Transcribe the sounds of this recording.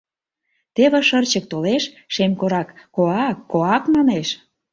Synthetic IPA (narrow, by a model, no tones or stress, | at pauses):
t̪eβĕʃərt͡ɕək̚t̪oleʃ | ʃemkoɾɑkːoɑkːoɑkmɑneʃ